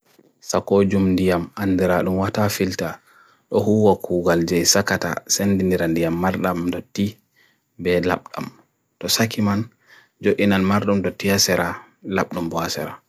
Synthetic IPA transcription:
sakod͡ʒumndijamandiɾaɗumwatafilta | ɗɔhuːwakʰuːɡald͡ʒɛjsakata̰senːdindiɾandijamːaɾɗamdɔti | bɛla̰ɓɗa̰m | tɔsakʰiman | d͡ʒoʔinanmaɾɗumdɔtːiasɛɾa | la̰ɓɗumbɔasɛ̰ɾa

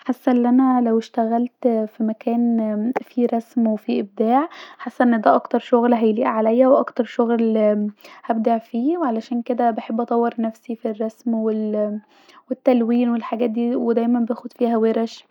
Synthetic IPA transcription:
ħasːæʔlːʔænælæweʃt̪æɣælt̪fimækæːnfiɾˤɑsmwefiʔeb̚d̪aːʕħasːæʔenːd̪æːʔɑkt̪ɑɾˤʃoɣlɦæjliːʔʕalæjːæwʔɑkt̪ɑɾˤʃoɣl | hæb̚d̪aʕfiːweʕalæʃæːnked̪æbeħebːʔɑt̪ˤɑwːeɾˤnæfsifirˤːɑsmwel | wet̪ːælwiːnwelħaɡæːt̪̚d̪iːwed̪æjmæmbejæxod̪fiːhæweɾæʃ

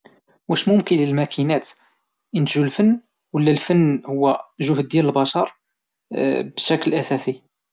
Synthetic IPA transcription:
wæʃmʊmkənləlmækʰinæt̪ | ʔənt̪ʒulfənː | wəlːælfənːhʊwːæʒʊhd̪̚ːjæləlbɑʃɑɾˤ | bəʃæklʔæsæsi

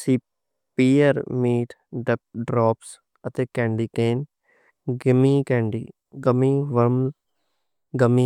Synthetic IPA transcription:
siː | piːəɾmiːʈɖ̚ɖɾɔːps | ət̪eːkɛ̃ːɳɖiːkeːn | ɡɪmiːkɛ̃ːɳɖḭː | ɡəmiːʋəɾm | ɡəmiː

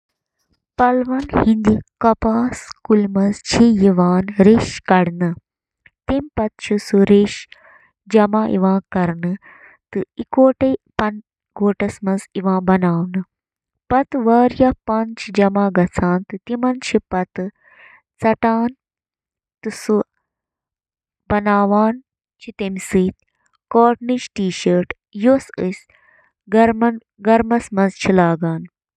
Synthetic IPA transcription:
pɐlʋɐnhĩnd̪ikɐpaːskulmɐnzt͡ʃʰijiʋaːnɾeːʃkɐɽnɨ | t̪empɐt̪̚t͡ʃʰisuɾeʃ | d͡ʒɐmãːʔḭʋãːkɐɾnɨ | t̪ɨikoːʈepɐn | ɡoːʈɐsmɐ̃nziʋãːbɐnaːʋnɨ | pɐt̪ʋaːɾjapɐnt͡ʃʰid͡ʒɐmãːɡɐt͡sʰãːnt̪ɨt̪imɐnt͡ʃʰipɐt̪ɨ | t͡sɐʈaːn | t̪ɨsu | bɐnaːʋaːn | t͡ʃʰit̪emsɨːt̪ | koːʈnit͡ʃʈiːʃəːɾʈ | josɨsʲ | ɡɐɾmɐn | ɡɐɾmɐsmɐ̃nzt͡ʃʰilaːɡaːn

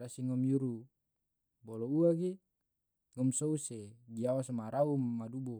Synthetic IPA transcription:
ɾasiŋɔmjuɾu | bɔlɔuaɡe | ŋɔmsɔuseɡiawasmaɾaumːadubɔ

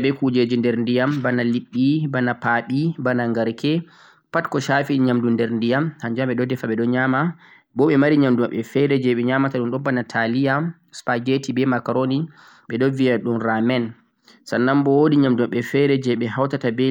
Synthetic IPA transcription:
ɓɛkud͡ʒed͡ʒindɛɾndijambanaliɓːibanapaɓibanaŋɡaɾkʰɛ | patkɔʃafiɲamdundɛɾndijamhaɲd͡ʒamɓɛɗɔdɛfaɓɛɗɔɲama | bɔɓɛmaɾiɲamduma̰ɓɛfɛɾɛd͡ʒɛɓɛɲamataɗunɗɔmbanatʰalija | spaɡetibɛmakaɾoni | ɓɛɗɔvijaɗumɾamɛn | sanːambɔwodiɲamdumaɓɛfɛɾɛd͡ʒɛɓɛɦawtatabɛ

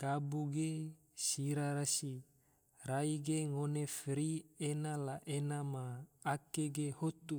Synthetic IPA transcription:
kabuɡe | siɾaɾasi | raiɡeŋonefɾienalaʔenamaːkeɡehot̪u

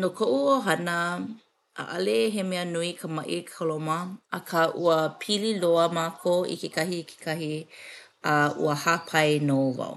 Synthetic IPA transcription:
nokʰoʔuoɦɐnə | ʔa̰ʔɐleɦemeənuikʰəmɐʔikʰolomɐʔɐkʰaʔuəpʰililoəmaːkʰoʔḭkekɐhikʰe̥kʰɐɦi | aʔṵəhapʰɐjnova̰

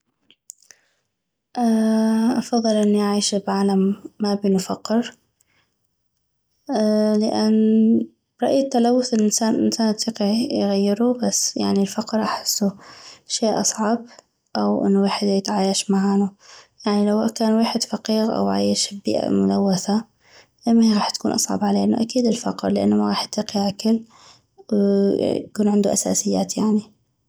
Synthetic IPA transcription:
ʔaʔɑfɑðˤːɨlʔɪnːiʔaʕiːʃbʕaːlamːabɪnʊfaqːɪɾ | lɪʔanː | bɾˤɑʔiːt̪ːalawːʊθɪlʔɪnsaːnʔɪ̰nsaːnʔat̪iqiʕjɣajːɪɾubasːja̰ʕnilfaqɾʔaħɪ̥sːuʃeːʔɑsˤʕɑb | ʔawʔɪ̰nːweːħɪd̪jɪt̪ʕaːjaʃmaʕaːnujaʕnilawakaːnweːħɪd̪fɑqiːɣʔa̰wʕa̰ːjɪʃbḭːʔa̰mʊlawːaθa | lamːaɣɑːħt̪ḁkuːnʔɑ̰sˤʕɑ̰bʕaleːʔnṵʔakiːd̪ɪlfɑqɾlɪʔa̰nːamaɣɑːħʔat̪ːiːqiʕakɪl | w̰ | kuːnʕɪnd̪uʔasa̰ːsɪjːaːt̪jaʕni

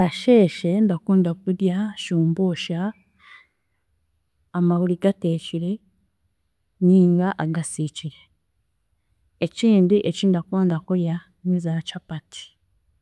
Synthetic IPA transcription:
aʃeʃendakuːndakudjaʃuːmboʃa | maβuliɡateːt͡ʃiɾe | niːŋɡaʔaɡasit͡ʃiɾe | eciːndiʔeciːndakaːndakuja | nizat͡ʃapati̥

